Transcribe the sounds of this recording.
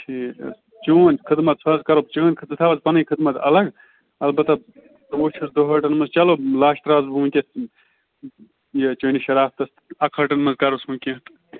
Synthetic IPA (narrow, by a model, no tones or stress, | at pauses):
t͡ʃʰi | t͡ʃoːnʲkʰɨd̪mɐt̪̚sʰɐzkɐɾopt͡ʃoːnʲkʰɨt̪ɨt̪ʰaːʋɐzpɐnɨjkʰɨd̪mɐt̪ʰɐ̰lɐɡ | ɐlbɐt̪ɐ | d̪oːt͡ʃʰusd̪oɦɐʈɐnmɐzt͡ʃɐlolaːʃʈ̪ɾaːzbʱuːmkʲes | jet͡ʃoːnʲiʃɐɾaːft̪ɐst̪ɐkʰɐʈɐnmɐzkɐɾosmukʲẽt̪